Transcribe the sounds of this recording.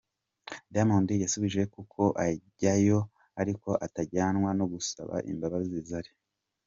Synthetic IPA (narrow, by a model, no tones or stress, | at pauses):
damondijasuβiʒe̞kukʰo̞ʔaɟajo | aɾiko̞ʔataɟaːnwano̞ɡusa̰βa̰ʔḭmbaβazizaɾi